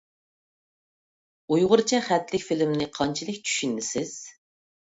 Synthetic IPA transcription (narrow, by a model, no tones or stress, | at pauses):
ujʁʊɾt͡ʃʰɛχæt̪lɪkʲfilɪmnɪqʰɑnt͡ʃʰilɪkʲt͡ʃʰy̥ʃynːɪsɪz̥